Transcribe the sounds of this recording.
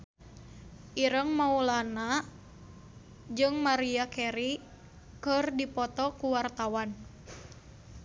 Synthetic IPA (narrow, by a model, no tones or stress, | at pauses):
ʔiɾəŋmaulana | d͡ʒɨŋmaɾiakɛɾi | kərdipɔt̪ɔkuwart̪awan